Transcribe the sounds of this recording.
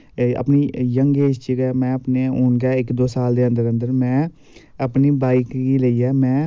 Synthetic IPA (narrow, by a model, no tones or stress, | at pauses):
ə̰pniːjəŋɡeːst͡ʃiɡɛːmɛ̃ːəpneːoːɳɡɛːɪkd̪oːsaːld̪eːə̃nd̪əɾənd̪əɾmɛ̃ː | əpniːbaːɪkɡiːləiːɛːmɛ̃ː